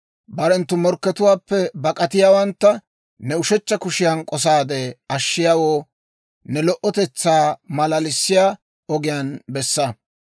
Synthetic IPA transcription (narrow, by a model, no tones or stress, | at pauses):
bɐɾɛnt̪ːʊmɔɾkːɛt̪ʊwaːpːɛbɐkʼɐt̪ɪjaːwɐnt̪ːɐ | nɛʊʃɛt͡ʃːɐkʊʃɪjɐnkʼɔs̬aːd̪ɛɐʃːɪjaːwoː | nɛlɔʔɔt̪ɛt͡sːaːmɐlɐlɪsːɪjaː | ɔɡɪjanbɛsːɐ